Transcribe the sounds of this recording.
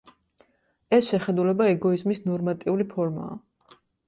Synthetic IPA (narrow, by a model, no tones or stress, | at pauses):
ɛsʃɛχɛd̪ulɛbaɛɡɔizmisnɔɾmat̪ʼiulipʰɔɾma̰ː